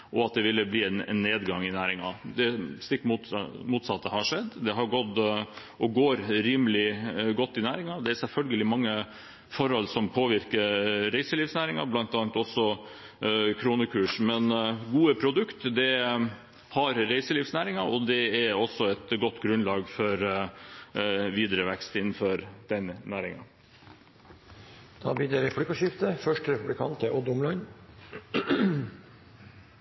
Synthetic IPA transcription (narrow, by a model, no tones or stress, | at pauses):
ʔɔɑt̪̚d̪ɛʋɪlːəbliːɛnɛ̰nːeːd̪ɡɑŋɪnæːɾɪŋɑd̪ɛst̪ɪkːmmuːt̪sɑt̪ːəhɑʂɛd̪ːd̪ɛɦɑɾɡɔd̪ | ʔɔɡoːɾɾiːməlɪɡɔt̪ːɪnæːɾɪŋɑd̪ɛæɾsɛlfœlɡəlɪmɑŋːə | fɔɾhɔlsɔmpʰoːʋɪɾkəɾɾæɪsəliːʋsnæːɾɪŋɑ̰blɑnt̪ɑːnt̪ɔsːɔ | kʰɾuːnəkʰʉːʂmɛnɡuːəpʰɾʊd̪ʉkt̪d̪ɛ | hɑɾɾæɪsəliːfsnæːɾɪŋɑɔd̪ɛæɾɔsːɔɛt̪ɡɔt̪ːɡɾʉnlɑːɡfɔɾ | ʋiːd̪ɾəʋɛkst̪ɪnːənfɔɾd̪̥ɛnnæːɾɪŋɑ̰ | d̪̥ɑ̰ːbid̪əɾɛplɪkɑʃɪft̪əfœʂʈɾɛpʉblɪkʰɑ̰nt̪ʰəʔɔd̪ʊmlɑn